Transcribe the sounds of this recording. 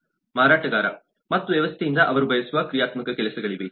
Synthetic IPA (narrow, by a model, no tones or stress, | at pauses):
maːɾaːʈːɐɣaːɾa̰ | mɐt̪ːuʋeʋɐst̪ʰejind̪ɐʔɐʋɐɾubʱɐjɐsuʋaːkɾijaːt̪mɐkːɨkelɐsɐɣɐɭiʋe